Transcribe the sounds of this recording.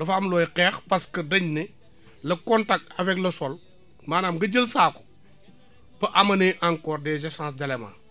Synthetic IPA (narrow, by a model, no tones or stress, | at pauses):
lɐfaːmlɔːjqɛːxpɐskədɐɲni | lɐkɔntak̚tɐvɛklɐsɔl | maːnaːmɡɐɟəlsaːkɔ̥ | pɐʔɐmɐniʔaŋkɔːrdɛːzɛsãːs̬dɐlɛmã̰